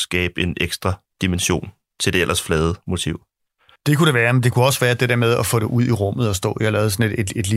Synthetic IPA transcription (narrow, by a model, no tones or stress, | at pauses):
sɡ̥ɛːb̥e̝neɡ̥sd̥ʁɑ̈ | d̥imenɕo̝̰ːn | t͡sʰe̝d̥e̝elʔɐsflɛːð̞ˠəmo̝t͡sʰiʊ̰ | d̥e̝kʰuɾeʋæːɐmend̥e̝kʰuɒ̽sʋæːɐd̥e̝d̥eɐmeð̞ˠɒfɔ̰ːd̥e̝ʔuð̰ˠiʁɔ̽m̰ð̞̩ˠɒ̽sd̥ɔ̰̽ːjihɑlɛːʊsɒ̽nedede̝d̥li